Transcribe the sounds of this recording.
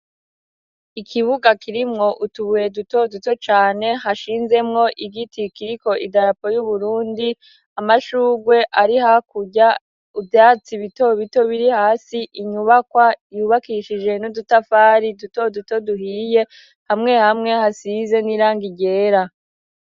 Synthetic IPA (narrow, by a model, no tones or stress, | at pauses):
ikʰiβuɡakʰiɾimŋo̞ʔutuβuje̞duto̞duto̞t͡ʃaːne̞ɦaʃiːnze̞mŋo̞ʔiɡitikiɾiko̞ʔidaɾapo̞juβuɾuːndi | amaʃuːɡwe̞ʔaɾihakuɟa | uvjaːt͡siβito̞βito̞βiɾihaːsiʔiɲuβakwajuβakiʃid͡ʒe̞nudutafaːɾiduto̞duto̞duɦiːje̞ | hamŋe̞hamŋe̞hasize̞niɾaːŋɡiɟe̞ːɾa